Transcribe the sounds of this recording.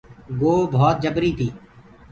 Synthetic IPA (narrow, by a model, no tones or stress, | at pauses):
ɡoːbʱɔːt̪̚d͡ʒəbɾiːt̪ʰiː